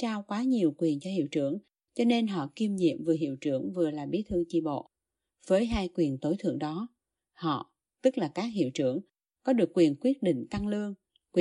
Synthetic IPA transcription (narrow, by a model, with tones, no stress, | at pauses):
t͡ɕaː˧wkwaː˨˦ɲi˨˩əwkwi˨˩ənt͡ɕɔ˧hḭ˧˨əwt͡ɕɨ˧˩əŋ | t͡ɕɔ˧ne˧nɦɔ̰˧˨ki˧mɲḭ˧˨əmvɨ˨˩ɦḭ˧˨əwt͡ɕɨ˧˩əŋvɨ˨˩əlaː˨˩ɓi˨˦t̪ʰɨ˧əŋt͡ɕḭ˧˨ɓo̰˧˨ | v̥əː˨˦jɦaː˧jkwi˨˩ənt̪o˨˦jt̪ʰɨ̰˧˨əŋɗɔ˨˦ | hɔ̰˧˨ | t̪ɨ˦˥k̚laː˨˩kaː˦˥k̚hḭ˧˨wt͡ɕɨ˧˩əŋ | kɔ˨˦ɗɨ˨˩əkːwi˨˩ənkwi˦˥ət̚ɗḭ˧˨ŋ̟t̪a˧ŋlɨ˧əŋ | kwi˨